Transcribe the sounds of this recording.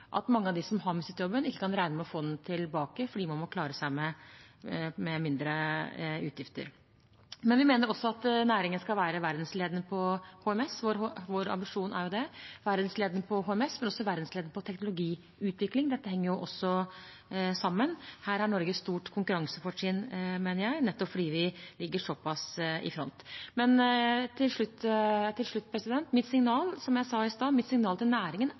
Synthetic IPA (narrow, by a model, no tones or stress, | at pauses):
ʔɑ̰t̪mɑŋːəɑd̪ɪsɔmɦɑɾmʉsɪt̪jɔbːənɪkːə̥kʰɑnɾæɪnəmɔfoːd̪nt̪ʰɪlbɑːkəfɔɖiːmɑnmɔkʰlɑːɾəsæɪmɛ | mɛmɪnd̪ɾəʉːt̪ʰjɪft̪ə̰ɾ | mɛnʋɪmeːnəɾɔsːɔɑt̪næːɾɪŋənskɑlʋæːɾəʋæɾd̪nsleːd̪nəpʰɔhoːɛmɛsʋoɾʋoːɾɑ̰mbɪʂuːnʔæ̰ɾjʊd̪ɛʋæɾd̪nsleːd̪ənəpʰɔɦoːɛmɛsmɛnɔsːɔʋæɾd̪n̩sleːd̪nəpʰɔt̪ʰɛknʊlʊɡiː | ʉːt̪ʰʋɪklɪŋd̪ɛt̪ːəhɛŋːəɾjʊʔɔsːɔ | sɑmːənhæːɾæɳɔɾɡəst̪uːʈkʰʊŋkʉɾɑŋsəfɔʂiːnmeːnəɾjæɪnɛt̪ːɔpfɔɖiːʋɪlɪɡːəʂɔpʰɑsɪ̰fɾɔ̰nt̪mɛnt̪ʰɪlʂɭʉt̪ːt̪ʰɪlʂɭʉt̪ːpʰɾɛsɪd̪ɛnt̪mɪt̪sɪŋnɑːlsɔmjæɪsɑɪst̪ɑːmɪt̪sɪŋnɑːlt̪ɪlnæːɾɪŋən